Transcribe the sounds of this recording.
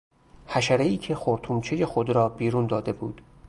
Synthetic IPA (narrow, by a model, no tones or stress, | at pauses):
hæʃæɾeiːcʰe̞xoɾt̪ʰuːmt͡ʃʰejexod̪ɾɒːbiːɾuːnd̪ɒːd̪e̞bṵːd̪̥